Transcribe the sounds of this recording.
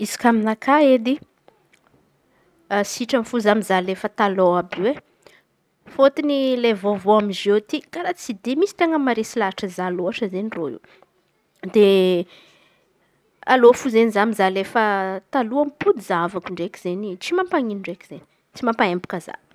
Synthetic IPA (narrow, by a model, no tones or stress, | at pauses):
izi̥kaminakʰaed̪i | siʈ͡ʂamifuzamizalefət̪alowabiwe | fot̪inilevovoamizewt̪ikaɾat͡sid̪emisi̥t̪eŋəmaɾesilaʈ͡ʂəzaloaʈ͡ʂəzenroḭw | d̪̥e | a̰lofuzenizamizalefət̪aluampud̪izavakiɳɖ͡ʐekiz̥enit͡simampaŋinɳɖ͡ʐekʲi̥z̥eni | t͡simampaembu̥kaza̰